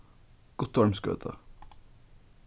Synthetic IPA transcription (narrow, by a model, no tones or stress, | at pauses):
ɡ̥ʊt̪ʋɑɹmskø̰ːt̪ʰə̰